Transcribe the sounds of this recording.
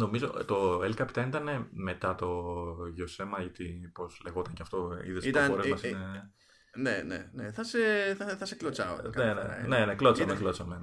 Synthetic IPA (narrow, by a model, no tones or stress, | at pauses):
no̞mizot̪o̞elkɐpi̥t̪ɐenit̪ɐne̞me̞t̪ɐt̪o̞ʝose̞mɐʝɐt̪ipo̞sleɣo̞t̪ɐŋceɐft̪o̞ḭðest̪ɐoɾemɐsine | nenḛneθɐseθɐθɐseklot͡sɐo̰kenḛne̞neklot͡sɐmeklo̞t͡sɐme